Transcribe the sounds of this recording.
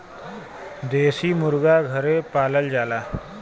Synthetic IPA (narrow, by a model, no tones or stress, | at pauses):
d̪esiːmuɾɡaɡʱəɾepaləld͡zala